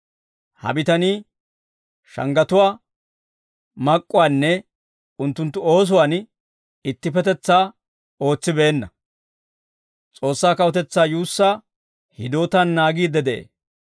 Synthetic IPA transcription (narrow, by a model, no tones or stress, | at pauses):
hɐ̰bɪt̪ɐni | ʃɐ̰ŋɡɐt̪ʊwaː | mɐkʼːʊwaːnːɛ | ʊnt̪ːʊnt̪ːʊo̞ːs̬ʊwaːn | ɪt̪ːɪpɛt̪ɛt͡sːaː | o̞ːt͡sːɪbeːnːɐ | t͡sʼo̞ːsːaːkɐwɔt̪ɛt͡sːaːjuːsːaː | hɪd̪oːt̪ɐnːaːɡiːd̪ɛd̪eḛː